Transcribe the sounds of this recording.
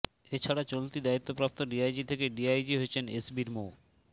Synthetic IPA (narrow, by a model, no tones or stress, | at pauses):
et͡ɕʰaɽat͡ɕolt̪id̪ait̪ːopɾap̚t̪oɖiajd͡ʑit̪ʰekeɖiajd͡ʑiɦoet͡ɕʰenesbiɾmo